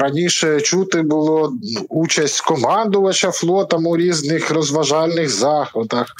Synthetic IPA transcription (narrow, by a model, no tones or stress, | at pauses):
ɾɐnʲiʃɛt͡ʃut̪ɪbʊlˠɔut͡ʃɐsʲtʲkɔmɑnd̪ʊʋɐt͡ʃɐflˠɔt̪ɐmuɾʲiznɪxrɔzʋɐʒɑlʲnɪɣzɑxɔt̪ɐx